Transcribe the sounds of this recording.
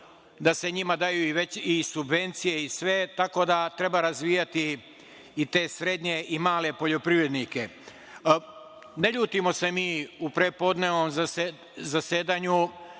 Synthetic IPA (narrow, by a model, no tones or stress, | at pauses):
d̪ase̞ɲimad̪ajuiʋe̞t͡ɕisubʋe̞nt̪sije̞isʋe̞t̪ako̞d̪at̪ɾe̞baɾazʋiːjat̪iː | t̪e̞ːsɾe̞d̪ɲe̞ʔimaːle̞po̞ʎo̞pɾiʋɾe̞d̪nike̞ | neʎuːt̪imo̞se̞miːupɾepo̞d̪neʋnom | zase̞ːd̪aɲu